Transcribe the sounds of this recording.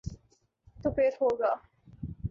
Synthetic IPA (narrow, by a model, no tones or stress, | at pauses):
t̪upeɾhoːɡa